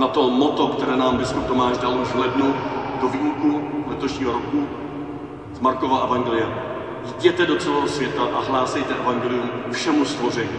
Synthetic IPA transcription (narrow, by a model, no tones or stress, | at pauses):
nat̪o̞mot̪o̞kt̪ɛɾɛːnaːmbɪskup̚t̪o̞maːʃdalʔuʒvlɛdnudo̞viːlkuvlɛt̪o̞ʃɲiːɦoɾoku | zmaɾko̞vaʔɛvaŋɡɛlɪjɛ | jɟɛt̪ɛdo̞t͡sɛlɛːɦosvjɛt̪aʔaɦlaːsɛjt̪ɛʔɛvaŋɡɛːlɪjumfʃɛmust̪vo̞r̝ɛɲiː